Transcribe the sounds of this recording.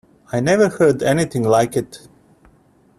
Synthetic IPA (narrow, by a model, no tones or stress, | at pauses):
aɪnɛvə˞hɜ˞dɛniθɪ̃ŋlaɪkɨt